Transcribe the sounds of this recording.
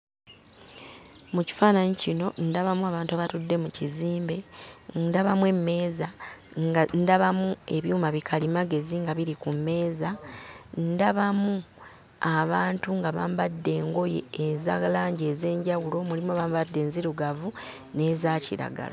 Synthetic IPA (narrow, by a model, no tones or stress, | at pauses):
muci̥faːnaɲicino̞ndaβamuaβaːntuaβatudːe̞muciziːmbe̞ndaβamwe̞me̞ːzaŋndaβamue̞βjuːmaβikʰalimaɡe̞ziŋɡaβiɾikumːe̞ːzandaβamu | aβaːntuŋɡaβaːmbadːe̞ːŋɡo̞je̞̰ːza̰ɣlaːɲɟe̞ːze̞ːɲɟawulo̞mulimuaβaːmbadːe̞ːnziɾuɡavu | ne̞ːzaːciɾa̰ɡa̰la